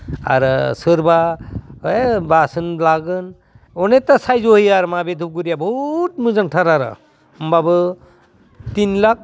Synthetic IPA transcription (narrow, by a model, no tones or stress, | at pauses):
a̰ɾsɯɾba | basɯnlaɡɯn | ɔnet̪asajzoɦijaɾmabed̪ʱuɡuɾijabɔtmɯzaŋʈʰaɾaɾa̰ | mbabɯ | t̪inlak̚